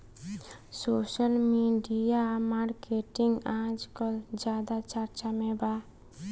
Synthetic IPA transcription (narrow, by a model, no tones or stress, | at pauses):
soːʃəlmiɖijamaɾkeʈiŋɡãd͡ʒkɔd͡ʒad̪at͡ʃəɾt͡ʃamẽba